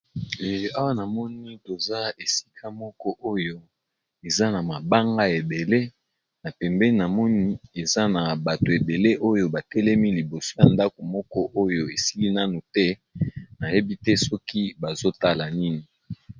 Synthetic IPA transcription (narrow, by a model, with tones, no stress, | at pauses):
e˨a˦wa˦na˨mɔ˦ni˦to˨za˦e˨si̥˦kʰa˦mɔ˦kɔ˦ʔo˦jo˦ | e˨za˦na˨ma˨ba˦ŋɡa˦e˨be˨le˦ | na˨pɛ˨mbɛ˦ni˦na˨mɔ˦ni˦e˨za˦na˨ba˨to˨e˨be˨le˦ʔo˦jo˦ba˨tɛ˦lɛ˦mi˦li˨bo˨so̥˦ja˨nda˦ko˨mɔ˦kɔ˦ʔo˦jo˦e˨si˦li˦na˦nu˨tɛ˦na˨je˦bi˦tɛ˦sɔ˦ki˦ba˨zo˦ta˦la˨ni˦ni˨